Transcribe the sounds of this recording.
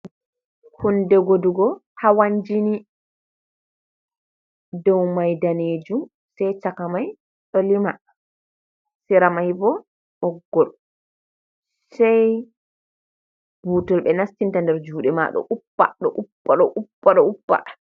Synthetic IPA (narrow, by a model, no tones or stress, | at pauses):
hundɛɡoduɡɔ | hawaɲd͡ʒini | dɔwmajdaned͡ʒu | sɛjt͡ʃakamaj | ɗɔlima | siɾamajbɔ | ʔɔɡːɔl | saj | b̥uːtɔlɓɛnastintandɛɾd͡ʒuːɗɛma̰ɗɔ̰ʔupːa̰ɗɔ̰ʔupːaɗɔʔupːaɗɔupːa̰